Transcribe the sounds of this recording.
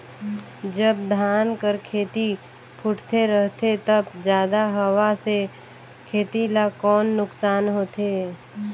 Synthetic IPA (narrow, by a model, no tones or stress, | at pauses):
d͡ʒəbd̪ʱaːnkəɾkʰeːt̪i | pʰʊʈʰt̪eɾəɦt̪et̪əbd͡ʒjaːd̪aɦəwase | kʰeːt̪ilakɔːnːʊksaːnɦoːt̪eː